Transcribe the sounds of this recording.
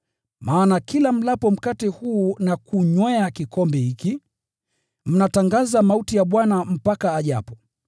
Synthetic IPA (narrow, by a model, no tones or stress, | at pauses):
maːnakilam̩lapɔm̩katihuːnakuɲwɛakikɔmbɛhiki | m̩nataŋɡazamautijaɓwanam̩pakaːʄa̰pɔ